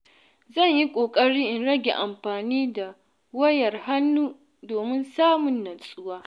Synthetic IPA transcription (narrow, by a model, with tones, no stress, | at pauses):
zɐ˦˨ɲji˦kʷʼoː˨kʼɐ˦ɽiː˦ʔɪ˨nɽɐ˦ɡʲḛ˨ʔa˨mɸaː˨niː˦da˨ | wɐ˦jɐ˨rha˦nːuː˦ | doː˨mɪ˦nsaː˦mʊ˨nːɐ˨sʼʊ˦waː˦